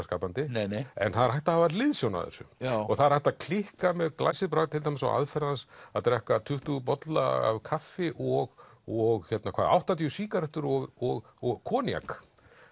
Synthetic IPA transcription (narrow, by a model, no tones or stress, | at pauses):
ska̰ːpant̪ɪnnɛ̰nθaðɾhajht̪ahavaɾlɪðsjowna̰ðɛ̰ɾsʏ̰mːɔɣθaðɾ̥hajht̪aðkʰlɪhkamɛðkla̰jsɪðpɾaɣt̪ʰɪlt̪ajmɪsa̰ʔa̰ðfɛɾðansaðt̪ɾɛhkat̪ʰʏht̪uɣpɔt̪la̰a̰vkʰafːɪʔɔɣɔɣçɛt̪nakʰvaːðʔa̰wht̪at̪̬jʏsiːkaɾɛht̪ʏɾɔɣɔɣɔɣkʰɔːnja̰k